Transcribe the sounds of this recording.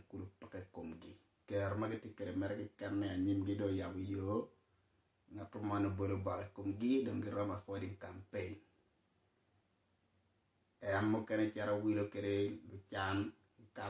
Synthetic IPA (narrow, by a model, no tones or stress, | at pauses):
kulupə̥kɛkomɡɪ | kɛɾmaɡɪtjekedemɛɾɛɡɪkɛnːɛaɲɪmɡɪdojabɔjo | ŋatʊmanobolobɔkikomɡɪdoŋɡɪɾɔmafɔdiŋkampeɲ | ɛnmʊkɛnɛt͡ʃɛɾawilokedelʊt͡ʃan | ka